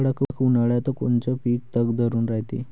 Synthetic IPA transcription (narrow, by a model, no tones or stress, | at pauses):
ɽakkʰunaɭjat̪əkont͡ɕɔpiːk̚t̪əɡd̪əɾuːnɾaɦjt̪ḛ